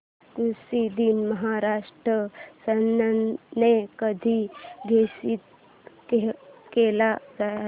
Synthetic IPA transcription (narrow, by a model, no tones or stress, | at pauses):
kusid̪inməɦaɾaʂʈɾəsənːənnekəd̪ʱiɡʱesit̪ | kekelad͡za